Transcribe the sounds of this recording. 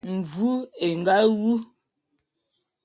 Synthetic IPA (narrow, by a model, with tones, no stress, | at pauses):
m̩˨vu˦e˨ŋ˨ɡa˦wu˦